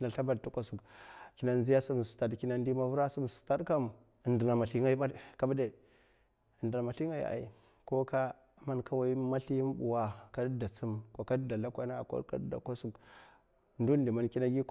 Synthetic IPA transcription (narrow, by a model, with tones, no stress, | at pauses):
na˨ɬa˦ba˨dtu˦kʷa˨su˨kki˦na˦n˦zi˦ja˦su˦m˨su̥˨ta˨dki˦na˦ndi˦ma˦vu˦ɾa˦su˦m˨su̥˨ta˦dka˦m˨ | ndə˨na˨ma˨ɬi˦ŋa˦i˦ba˦ka˦ba˦de˦˨ | ndə˨na˨ma˨ɬi˦ŋa˦ja̰˨ʔḭ˨ | ko˦ka˦ | ma˦nka˦wa˦i˦ma˦ɬi˦m˦bṵ˨wa˦ka˦da˨t͡su˦mka˨ka˦da˨la˦kʷa˦na˦˨ko̰˦ka̰˦da̰˨ka˦su˨k | ndu˦ndi˨ma˨nki˦na˦ɡi˦